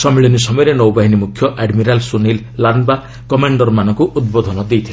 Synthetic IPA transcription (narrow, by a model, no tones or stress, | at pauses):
sʌmiɭɔnisɔmɔjɾenɔwbaɦinimukʰjʌʔaɖmiɾalsunilːanba | kɔmaɳɖʌrmanʌŋkuʔud̪̚bod̪ʱʌnʌd̪ejt̪ʰio